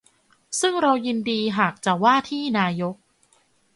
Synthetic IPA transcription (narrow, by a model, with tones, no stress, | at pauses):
sɯ˥˩ŋɾa˧wjɯ˧ndiː˧ɦaː˨˩k̚t͡ɕa˨˩waː˥˩t̪ʰiː˥˩naː˧jo˦˥k̚